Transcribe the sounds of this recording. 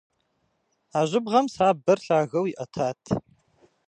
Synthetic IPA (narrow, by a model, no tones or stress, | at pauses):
aːʑʷɪbʁɐmsaːbɐrɬaːɣɐwiʔɐtʰaːtʰ